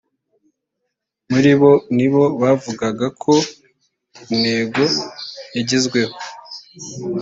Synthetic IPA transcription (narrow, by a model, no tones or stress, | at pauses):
muɾiβo̞niβo̞βavuɡaɡakʰo̞ | ume̞ːɡo̞jaɟizɡwe̞ho